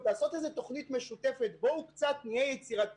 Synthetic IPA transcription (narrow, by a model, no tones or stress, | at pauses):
aːsotezet̪o̞χnit̪meʃutefetboukt͡satnijejet͡siʁat